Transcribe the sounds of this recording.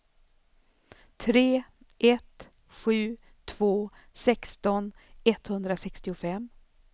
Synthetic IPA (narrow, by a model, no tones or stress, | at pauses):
t̪ʰɾeː | ʔɛt̪ | ɧʉ̟ː | t̪ʰv̥oː | sɛkst̪ɔnɛt̪hɵnd̪ɾasɛkst̪ɪʊfɛm